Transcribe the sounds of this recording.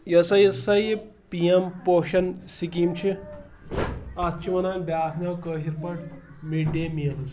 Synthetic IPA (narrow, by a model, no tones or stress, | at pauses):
jɐsɐjsɐjpiempoːʃɐnsikimt͡ʃʰi | ast͡ʃʰiʋɐnaːnʲbʲjaːkʰnawkəːɦiɾpɐʈ | miɖeːmiɐlɐs